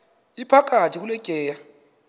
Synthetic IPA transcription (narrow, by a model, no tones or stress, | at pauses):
ipʰakʼatʼikulɛkʼɛːja